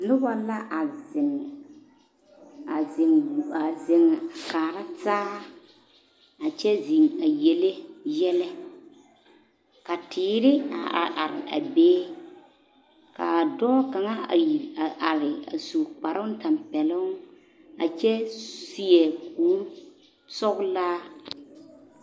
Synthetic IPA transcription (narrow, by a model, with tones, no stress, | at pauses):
nʊ˦ba˨la˦ʔa˨zɪ˨ŋ | a˨zɪ˨ŋu˨a˨zɪ˨ŋ˨a˨kaː˨ɾa˦taː˦ | a˨t͡ʃɛ˦zi˨ŋa˨je˨le˦jɛ˦lɛ˦ | ka˨tʰɪː˨˦ɾɪ˦a̰˨a˨ʔa˨ɾɪ˨a̰˨beː˦ | ka̰˨dɔː˦ka˨ŋa˦˨i˨a˨ʔa˨ɾɪ˨a̰˨su˨k͡pa˨ɾʔʊ˦n˦ta˨mpɛ˨lʊ˦ŋ˦ | a˨t͡ʃɛ˦si˨ɛ˨kʰuː˦ɾ | sɔ˦ɣlaː˦